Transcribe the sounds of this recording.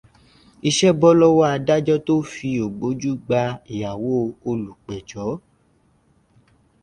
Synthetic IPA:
i˧ʃɛ˦bɔ˦lɔ˦wa˦a˧da˦d͡ʒɔ˦to˦fi˧o˨ɡ͡bo˨˦d͡ʒu˦ɡ͡ba˧i˨ja˨wo˦o˧lu˨k͡pɛ˨d͡ʒɔ˨˦

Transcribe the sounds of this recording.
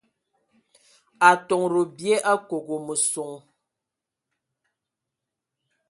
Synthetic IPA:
a˨tɔ˨ŋɾo˨bje˦ʔa˦ko˨ɣo˨mə˨so˨ŋ

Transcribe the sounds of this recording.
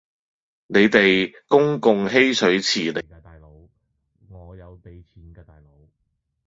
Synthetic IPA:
ne˨˧jt̪e˨jkʊ˥ŋkʊ˨˧ŋɦe˥jsʰɵ˨˥ɥt͡sʰiː˨˩ne˨˧t̪aː˨jlo˨˧˥w | ŋɔː˨˧jɐ˨˧wpe˨˧jt͡sʰiː˨˥nkɛː˧t̪aː˨jlo˨˧˥w

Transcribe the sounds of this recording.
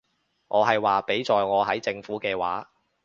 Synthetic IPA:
ŋʔɔː˨˧ɦɐ˨jwaː˨pe˨˥jt͡sɔː˨jŋɔː˨˧ɦɐ˨˥jt͡sɪ˧ŋfuː˨˥kɛː˧waː˨˥

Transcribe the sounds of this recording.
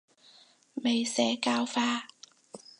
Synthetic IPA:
me˨˩jsɛː˨˧kaː˧wfaː˧

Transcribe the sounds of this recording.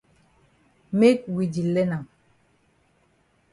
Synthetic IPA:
me˦t̚wi˨di˨lɛ˦na˨ŋ

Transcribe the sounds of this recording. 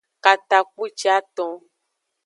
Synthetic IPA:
ka˨t̪a˨k͡pu˦t͡ʃi˦a˦t̪ɔ̃˧

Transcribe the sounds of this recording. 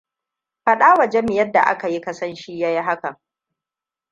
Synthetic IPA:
ɸa˦˨ɗaː˦wɐ˨d͡ʒe˦mɪ˨jɐ˦dːa̰˨ʔa̰˦ka˨ji˦kɐ˦sɐ˦nʃiː˦ja˦ji˦ɦa˦kɐ˨ŋ

